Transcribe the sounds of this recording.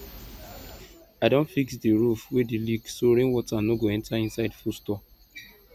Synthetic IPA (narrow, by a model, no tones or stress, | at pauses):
aɪdõntfiksdiɹufwediliksoɾẽnwɔtanoɡoɛ̃ntʰaĩnsaɪdfustɔ